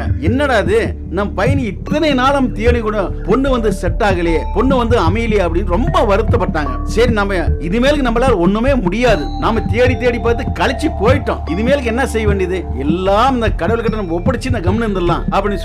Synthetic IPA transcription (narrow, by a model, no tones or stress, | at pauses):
ɛnːɐɽaːðɯ | nɐmːpɐjɐnɪt̪ːɐnɐnaːlɐmt̪ɪjɐɳikːɔɳɐpɔɳːɯʋɐnd̪ɯsɛʈːaːɣɐleːpɔɳːɯʋɐnd̪ɯɐmɐjɪlejɐpːɐɽɪnːɯɾɔmbɐʋɐɾɯt̪ːɐpːɐʈːaːŋɡɐ̰sɐɾinɐmːɐɪðɯmeːlɯkːɯnɐmbɐlaːlɔnːɯmeːmʊɽɪjaːðɯnaːmɐt̪eːɽit̪ːeːɽipːaːɾt̪ːɯkɐɻɐt͡ʃːipoːjɪʈːõ̰ːɪðɯmeːlɯk̬ːɯɛnːɐsɛjːɐʋeːɳɖɪjɐðɯɛlːaːmɪnd̪ɐkɐɽɐʋɐɭkɐʈːɐnɐmːɐɔpːɐɽɪt͡ʃːɪnd̪ɐɡɐmɐnɐnd̪ɐlːã̰ːɐpːɐɽɪnːɖ